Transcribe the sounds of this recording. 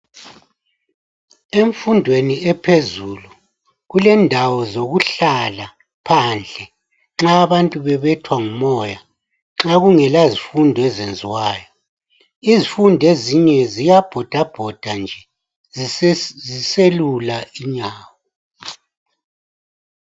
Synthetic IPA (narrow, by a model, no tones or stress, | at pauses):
eɱfundʱweniɛpʰezuːlu | ɣulɛndʱawɔzoɣuɬala | pʰand͡ɮʱɛ | ŋ͡ǁaːβantʼuβɛβɛtʰwaŋumɔja | ŋ͡ǁaɣuŋɛlazifundʱɔɛzend͡zʱiwaːjɔ | izifundʱeziɲɛzijab̥ʱɔd̥ʱab̥ʱɔd̥ʱand͡ʒʱɛ | ziselulaiɲaːwɔ